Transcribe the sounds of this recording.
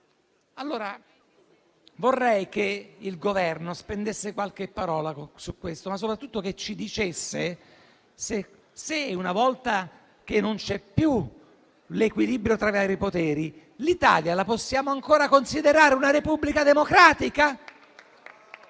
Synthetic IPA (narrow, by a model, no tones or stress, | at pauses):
alːoːɾa | vorːɛjkeilɡovɛrnospend̪esːekwalk̟epːaɾɔːlasukːwest̪omasːopɾat̪ːut̪ːoket͡ʃːid̪it͡ʃesːe | se | seunavɔlt̪a | k̟enːont͡ʃɛpːju | lekwilibɾjot̪ɾavaːɾipot̪ɛːɾi | lit̪a̰ːljalaposːjaːmoaŋkoːɾakonsid̪eɾaːɾeunaɾepubːlikad̪emokɾaːt̪ika